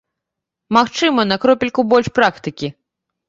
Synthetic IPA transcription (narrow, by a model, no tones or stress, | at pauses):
maxt͡ʂɨmɐnɐkɾɔpʲilʲkubɔlʲʂpɾakt̪ɨkʲi